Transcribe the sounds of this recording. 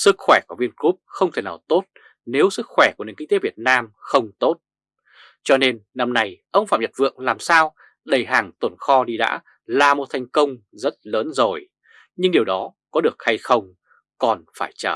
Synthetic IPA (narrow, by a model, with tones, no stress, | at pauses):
sɨ˦˥k̚xwɛː˧˩ku˧˩əvi˧ənku˦˥p̚xə˧wŋ͡mt̪ʰe˧˩naː˨˩wt̪o˦˥t̚ | ne˨˦wsɨ˦˥k̚xwɛ˧˩ku˧˩n˨˩ŋki˧ŋ̟t̪e˨˦vi˨˩ət̚naː˧mxə˧wŋ͡mt̪o˦˥t̚ | t͡ɕɔ˧ne˧nːa˧mna˧jʔə˧wŋ͡mfa̰ː˧˨mɲə˨˩t̚vɨ̰˧˨əŋlaː˨˩msaː˧w | ɗə˨˩jɦaː˨˩ŋt̪wə˨˩nxɔ˧ɗi˧ɗa̰ː˧˥ | laː˨˩mo˨˩t̚t̪ʰa˨˩jŋ̟kə˧wŋ͡mzə˦˥t̚ləː˨˦nzo˨˩j | ɲɨ˧ŋɗi˨˩əwɗɔ˨˦kɔ˨˦ɗɨ˨˩ək̚ha˧jxə˧wŋ͡m | kɔ˨˩nfaː˧˩jt͡ɕəː˧˩